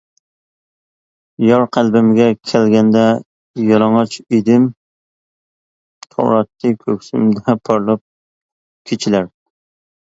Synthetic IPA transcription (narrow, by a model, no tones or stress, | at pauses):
jɒɾqʰælˠbɪmɡʲɛkʲʰælɡʲand̪a | jɒlˠɒŋɑt͡ʃed̪ɪm | t̪ʰo̰wɾɑt̪ːɪkʲʰɵkʲsɪ̰md̪apʰɒɾlˠɑp̚ | kʲʰet͡ʃʰɪlaɾ